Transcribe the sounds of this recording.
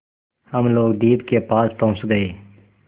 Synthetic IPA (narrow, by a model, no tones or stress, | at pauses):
həmloːɡd̪iːbkeːpaːspɐ̃ɦʊ̃t͡ʃɡəeː